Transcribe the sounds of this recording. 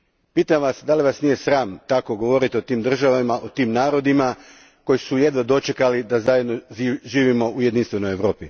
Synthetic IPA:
piːt̪amʋasd̪aliʋasnije̞sɾaːmt̪ako̞ɡo̞ʋo̞ɾit̪io̞t̪iːmd̪r̩ʒaʋamaʔot̪iːmnaːɾo̞d̪ima | ko̞jisuje̞d̪ʋod̪o̞t͡ʃe̞kalid̪azaje̞d̪no̞ʒiːʋimo̞ʔuje̞d̪inst̪ʋe̞no̞jeʋɾo̞ːpi

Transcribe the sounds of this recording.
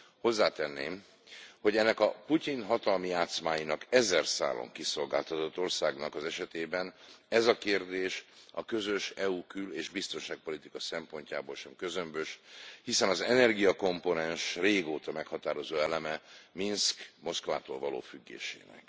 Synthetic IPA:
ho̞zːaːt̪ɛnːḛːm | ho̞ɟɛnːɛkɒpucinɦɒt̪ɒlmijaːt̪smaːjinɒkɛzɛrsa̰ːlːo̰ŋkiso̞lɡaːlt̪ɒt̪o̞t̪ːo̞rsaːɡnɒkɒzɛʃɛt̪eːbɛnɛzɒkeːrd̪eːʃɒkø̞zø̞ʃɛuːkyleːʒbist̪o̞nʃaːk̚po̞lit̪ikɒsɛmpo̞ɲca̰ːboːlʃɛmkø̞zømbøʃhisɛnɒzɛnɛrɡijɒko̞mpo̞nɛnʃreːɡoːt̪ɒmɛkhɒt̪aːɾo̞zoːɛlɛmɛminskmo̞skva̰ːt̪o̰ːlvɒlo̰ːfyɡːḛːʃḛːnɛ̰k

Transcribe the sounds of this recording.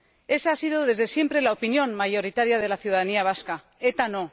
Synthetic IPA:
e̞saasiðo̞ðe̞zðe̞sje̞mpɾe̞laopinjõ̞nmaʝo̞ɾit̪aɾjað̞e̞laθjuð̞aðaniaβ̞aska | e̞t̪ano̞

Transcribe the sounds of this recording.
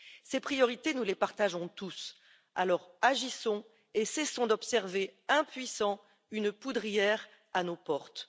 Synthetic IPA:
sepχijɔʁit̪enulepaʁt̪aʒɔ̃t̪us | a̰lɔʁaʒisɔ̃ | esɛsɔ̃d̪ɔpsɛʁveɛ̃pɥisɑ̃ | ynpud̪ʁijɛʁ | anopɔʁt̪

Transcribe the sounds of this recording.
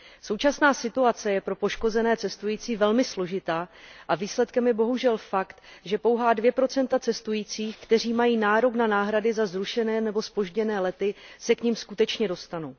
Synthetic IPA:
so̞wt͡ʃasnaːsɪt̪uat͡sɛjɛpɾo̞po̞ʃko̞zɛnɛːt͡sɛst̪ujiːt͡siːvɛlmɪslo̞ʒɪt̪aːʔaviːslɛt̪kɛmjɛbo̞ɦuʒɛlfakt̪ʒɛpo̞wɦaːdvjɛpɾo̞t͡sɛnt̪at͡sɛst̪ujiːt͡siːxkt̪ɛr̝iːmajiːnaːɾo̞knanaːɦɾadɪzazɾuʃɛnɛːnɛbo̞spo̞ʒɟɛnɛːlɛt̪ɪsɛkɲɪmskut̪ɛt͡ʃɲɛdo̞st̪anuw

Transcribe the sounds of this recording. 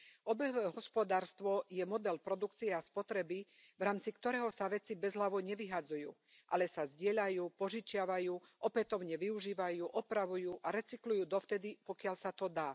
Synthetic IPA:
ɔbɛɔʋɛːɦɔspɔd̪aːɾst̪ʋɔjɛmɔd̪ɛlpɾɔd̪ukt͡siɛaspɔt̪ɾɛbi | ʋɾaːmt͡sikt̪ɔɾɛːɦɔsaʋɛt͡sibɛzɦlaʋɔɲɛʋiɦad͡zujṵː | ʔalɛsazɟɪɛʎajuːpɔʒit͡ʃɪaʋajuːʔɔpɛt̪ɔʊɲɛʋiuʒiːʋajuːʔɔpɾaʋujuːʔaɾɛt͡siklujuːd̪ɔft̪ɛd̪ipɔkɪaʎsat̪ɔd̪aː

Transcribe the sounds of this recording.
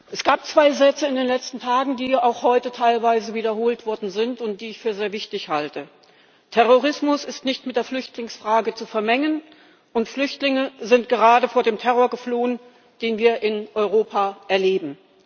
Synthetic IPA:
ʔɛsɡ̥aːp̚t͡sv̥aɪzɛt͡səɪndeːnlɛt͡stn̩tʰaːɡŋ̩diːaʊxhɔʏtətʰaɪlvaɪzəviːdɐɦoːltv̥ɔɐdn̩zɪntʊnt̚d̥iːɪçfyːɐzeːɐvɪçtɪçhaltə | tʰɛʁoʁ̞ɪsmʊsɪstnɪçtmɪt̚d̥eːɐflʏçtlɪŋsfʁ̥aːɡət͡sufɛɐmɛŋən | ʔʊntflʏçtlɪŋəzɪntɡ̥əʁ̞aːdəfoːɐdeːmtʰɛʁoːɐɡəfloːən | d̥eːnviːɐʔɪnʔɔʏʁoːpʰaʔɛɐleːbm̩

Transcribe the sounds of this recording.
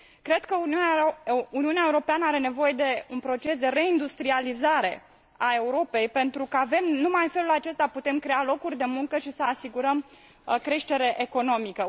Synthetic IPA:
kɾe̞d̪kə | uniuneaeuɾo̞peanəaɾe̞ne̞vo̞je̞d̪e̞unpɾo̞t͡ʃe̞sd̪e̞re̞ind̪ust̪ɾializaɾe̞̰ | ae̞uɾo̞pe̞jpe̞nt̪ɾukəave̞mnumajfe̞lulat͡ʃe̞st̪aput̪e̞mkɾe̞alo̞kurʲd̪e̞muŋkəʃisəasiɡuɾəm | kɾe̞ʃt̪e̞ɾe̞ʔeko̞no̞mikə

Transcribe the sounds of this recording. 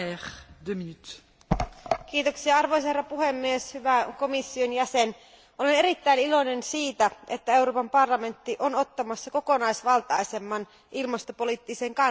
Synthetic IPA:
ɛʁd̪øminyt̪ | k̟iːt̪o̞ksiɑɑrʋo̞js̬ɑherːɑpuɦe̞mːieshyʋæko̞misːio̞njæse̞n | ʔo̞le̞ne̞ɾit̪ːæinilo̞ne̞nsiːt̪æe̞t̪ːæe̞wɾoːpɑmpɑrlɑme̞nt̪ːiʔo̞no̞t̪ːɑmɑsːɑko̞ko̞nɑjsʋɑlt̪ɑjse̞mːɑn | ʔilmɑst̪o̞po̞lit̪ːise̞ŋkɑ

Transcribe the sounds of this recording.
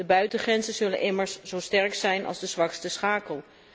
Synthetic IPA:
dəbœɥtəχrɛnzənz̥ɵlənʔɪməɹsz̥owstɛɹksɛjnʔɑ̰lˠzdəzʋɑkstəsχaːkəlˠ

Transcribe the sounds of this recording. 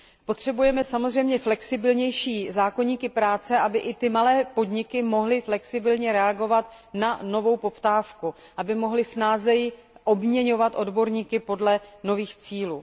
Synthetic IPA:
po̞t̪r̝̥ɛbujɛmɛsamozr̝ɛjmɲɛflɛksɪbɪlɲɛjʃiːzaːko̞ɲiːkɪpɾaːt͡sɛʔabɪʔɪt̪ɪmalɛːpo̞dɲɪkɪmo̞ɦlɪflɛksɪbɪlɲɛɾɛaɡo̞vat̪ | nano̞vo̞wpo̞pt̪aːfku | ʔabɪmo̞ɦlɪsnaːzɛjɪʔo̞bmɲɛɲo̞vat̪ʔo̞dbo̞ɾɲiːkɪpo̞dlɛno̞viːxt͡siːluː

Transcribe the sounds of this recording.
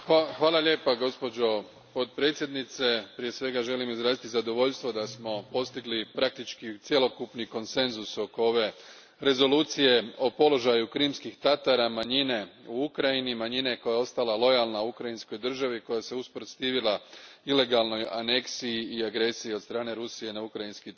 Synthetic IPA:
axʋaːlˠaʎʲe̞ːpaɡo̞spo̞d͡ʒo̞ | pot̪pɾe̞ːt̪sje̞d̪nit̪se̞pɾije̞sʋe̞ɡaʒe̞limizɾaːzit̪izad̪o̞ʋo̞ʎst̪ʋo̞d̪asmo̞po̞st̪iɡlipɾak̚t̪it͡ʃkit̪sjelo̞kupniko̞nse̞nzuso̞kooʋe̞ | ɾe̞zo̞luːt̪sije̞o̞po̞lo̞ʒajukɾimskixt̪at̪aɾamaɲine̞uukɾajinimaɲine̞ko̞jao̞st̪alalˠo̞jalˠnaukɾajinsko̞jd̪r̩ʒaʋiko̞jase̞uspɾot̪st̪iːʋilaile̞ɡalˠno̞ja̰ne̞ksijiiaɡɾe̞sijiod̪st̪ɾaːne̞ɾusije̞naukɾajinski

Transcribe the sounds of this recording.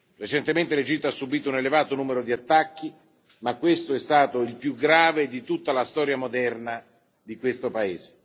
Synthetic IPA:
ret͡ʃent̪ement̪eled͡ʒit̪ːoasːubiːt̪ounelevaːt̪onuːmeɾod̪iat̪ːak̟ːi | makːwest̪oɛst̪aːt̪oilpjuɡɾaːved̪it̪ut̪ːalast̪ɔːɾjamod̪ɛrna | d̪ikwest̪opaeːze̥

